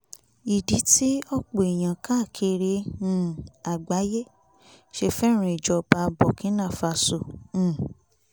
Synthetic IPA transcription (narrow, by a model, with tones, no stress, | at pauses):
i˨di˨˦ti˦ɔ˦k͡po˨e˨j̃ã˨ka˦˨kʰe˧ɾẽ˧˦ | a˨ɡ͡ba˨˦je˦ | ʃe˧fɛ˦ɾ̃ũ˧˨i˨d͡ʒɔ˧ba˧bɔ˨kĩ˨˦nã˦˨fa˧sõ˨˦˨